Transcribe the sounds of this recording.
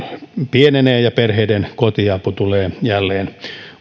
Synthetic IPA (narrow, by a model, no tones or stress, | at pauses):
pieneneːjɑperheidenkot̪iɑput̪uleːjælːeːn